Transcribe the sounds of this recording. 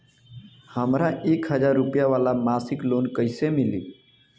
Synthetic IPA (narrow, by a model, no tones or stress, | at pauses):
həmɾãʔeːkɦəd͡ʒaːɾːupjaʋaːlamaːsɪkloːnkəɪsemɪlḭː